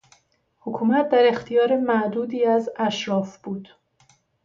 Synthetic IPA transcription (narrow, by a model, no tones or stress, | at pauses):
hokʰuːmæt̪̚ʰd̪æɾe̞xt̪ʰijɒːɾemæʔd̪uːd̪iːæzæʃɾɒːfb̥uːd̪̥